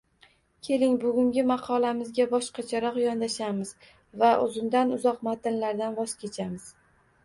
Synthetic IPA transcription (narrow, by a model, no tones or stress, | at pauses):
kʲʰe̞lɪŋbʊɡʲʊŋɡʲɪmɑqʰɒlamɪzɡʲabɒʃqʰɑt͡ʃʰaɾɒqjɒnd̪aʃamɪz | vaʔʊ̰zɪmd̪anʊzɒqmat̪ɪnlaɾd̪anvɒskʲʰe̞t͡ʃʰamɪz̥